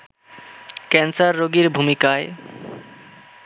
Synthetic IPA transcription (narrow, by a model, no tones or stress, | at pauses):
kɛnsaɾːoɡiɾbʱumikae